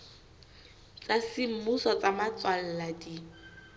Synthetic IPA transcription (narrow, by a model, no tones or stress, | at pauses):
t͡sasim̩musɔt͡samat͡swal̩ladi